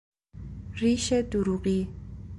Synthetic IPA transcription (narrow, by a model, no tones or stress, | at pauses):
riʃɛduɾuɣi